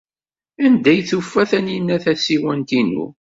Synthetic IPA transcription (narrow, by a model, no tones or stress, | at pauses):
ænd̪æjθufːæθænjinːæθæsiwænt̪inṵ